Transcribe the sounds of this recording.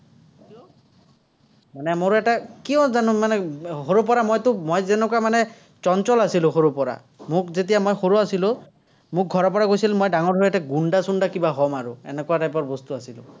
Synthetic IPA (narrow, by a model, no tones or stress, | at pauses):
manɛmoɹɛtakiɔ̃zanʊmanɛɦoɹup̬ɔɹamojtʊmojzɛnɛkwamanɛ | t͡ʃɔnt͡ʃɔlasilʊ̃xoɹupɔɹa̰ | mʊkzetijamojxoɹuasilʊ | mʊk̚ɡʱɔɹɔpɔɹakojsilmojdaŋɔɹdʱɹɛtaɡundasundakibaɦɔmaɹʊɛ̰nɛkuwatajpɔɹbɔst̪uasilʊ̰̃